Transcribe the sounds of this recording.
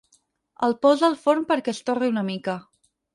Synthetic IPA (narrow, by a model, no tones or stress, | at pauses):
əlˠpɔzəlˠfoɾmpəɾkɛst̪oriunəmikə